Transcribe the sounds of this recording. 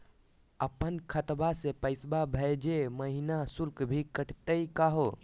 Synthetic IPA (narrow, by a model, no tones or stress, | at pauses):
əpənkʰət̪basepəɪsbabʱəd͡ʒeməɦinasulkbʱikəʈʰt̪əikaɦo